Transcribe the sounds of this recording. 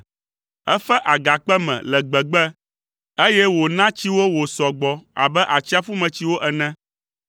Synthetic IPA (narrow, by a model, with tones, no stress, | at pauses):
ɛ˦fɛ˦ʔa˨ɡa˨k͡pɛ˦mɛ̰̃˨lɛ˨ɡ͡bɛ˨ɡ͡bɛ˦ | e˦jɛ˦wo˨nã˦t͡ɕi˦wo˦wo˨sɔ˨ɡ͡bɔ˨a̰˨bɛ˦ʔa˨t͡ɕi˦a˦fu˦mɛ̃˨t͡ɕi˦wo˦ʔɛ˨nɛ̃˦